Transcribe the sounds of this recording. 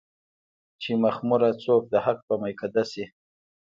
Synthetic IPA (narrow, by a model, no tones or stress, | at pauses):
t͡ʃimaxmʊɾat͡sok̚d̪əhak̚pəmajkʰad̪asi